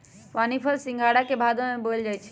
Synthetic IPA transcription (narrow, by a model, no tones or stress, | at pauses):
ʋanipʰəlsĩŋɡʱaɽakebʱad̪omebold͡ʒajt͡ʃʰɛ̥